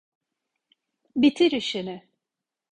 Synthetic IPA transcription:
bit̪ʰiɾiʃinɪ

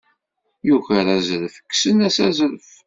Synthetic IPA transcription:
juçəɾæzɾəfə̥kːsənæsæzɾəf

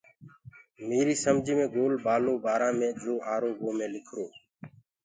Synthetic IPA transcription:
meːɾiːsəmd͡ʒʱiːmẽːɡoːlbaːloːbaːɾãːmẽːd͡ʒoːʔaːɾoːboːmẽːlɪkʰɾoː

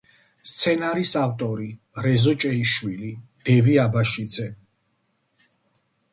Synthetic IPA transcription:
st̪sʰɛnaɾisavt̪ʼɔɾi | ɾɛzɔt͡ʃʼɛiʃwilid̪̥ɛviabaʃid̪zɛ

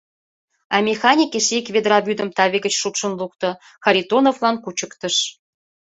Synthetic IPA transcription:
ɑmʲexɑnʲikeʃikβʲed̪rɑβyd̪ə̆mt̪ɑβʲeɡət͡ɕʃup̪ʃə̆nluk̚t̪ɤ̆ | xɑɾʲit̪onovlɑnkut͡ɕə̆kt̪ə̆ʃ

